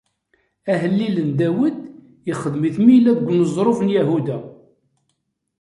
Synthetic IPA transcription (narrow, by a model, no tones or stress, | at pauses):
æɦəlːilənd̪æwəd̪ | jəχəðmiθmilæðɡʷnəzˤɾˤofənjæɦud̪æ